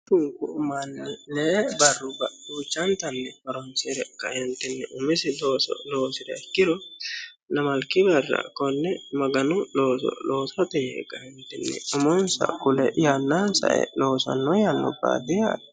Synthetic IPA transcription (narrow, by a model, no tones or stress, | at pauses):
t̪ʊŋkʊʊmɐnːɛlɛbɐrːʊbɐuːt͡ʃːɐnt̪ɐnːɛfɐɾɔnsɪɾɛkːɐhɛnt̪ːɪnːɛʔʊmɪsɪloːsɔ̰loːsɪdɐɪkːɪd̪ɔ | nɐmɐlkːɪbɐrːɐ̰kːɔnːɛmɐɡɐnʊloːsɔ̰lo̞ːsɐt̪ɛjɛ̰kːɐhɛnt̪ːɪnːɛ̰ʊmɔnsɐ̰kʊlɛ̰janːansɐ̰ʔɛ̰loːsɐ̰nːɔjanːɔ̰ba̰ːd̪ɪja̰ːd̪